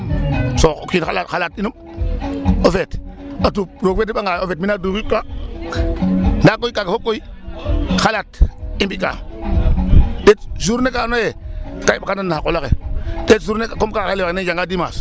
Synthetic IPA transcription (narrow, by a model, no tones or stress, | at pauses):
sokʷinxa̰latxalatinum | ofetatuɾokwetːiɓaŋɡaofet̚minadukika | ndakoikaɡefokːoi | xalatimbika̰ | det̚zuɾnekanojekaibakananːaakolakḛd̥etzuɾnekakomkakaleakned͡ʒaŋɡadima̰s